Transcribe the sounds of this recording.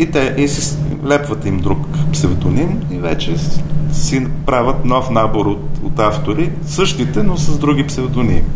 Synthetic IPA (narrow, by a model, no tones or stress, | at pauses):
it̪ɛʔisis | lɛpvət̪imd̪ɾukpsɛvd̪onimivɛ̰t͡ʃɛsinpɾavət̪nɔfnaboɾot̪o̰t̪aft̪oɾi | sɤʃt̪it̪ɛnosɐzd̪ɾuɡipsɛvd̪onḭm